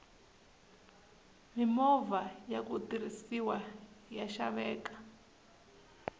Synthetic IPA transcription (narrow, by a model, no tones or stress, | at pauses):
mimɔvajakut̪iɾisiwajaʃa̰βɛːkḁ